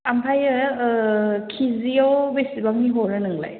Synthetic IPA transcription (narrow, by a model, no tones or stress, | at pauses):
ampʰajɯ | kʰiziawbesibaŋniɦɔɾɯnɯŋla̰j